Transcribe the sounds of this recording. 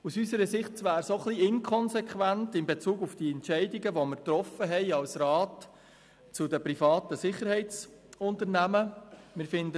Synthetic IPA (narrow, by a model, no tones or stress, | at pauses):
usysəɾəsɪχtʋæːɾsoχliɪnkʰɔnzɛkʰχʋæntɪmbet͡suːɡufdiːɛntt͡ʃɛɪdiɡəʋoməɾt̪ɾɔfəɦɛɪɑlsɾɑːt | t͡sʊdəprifɑːtəsɪχːəɾhɛɪt͡s | ʊnt̪əɾnæməmɪːɾfɪndə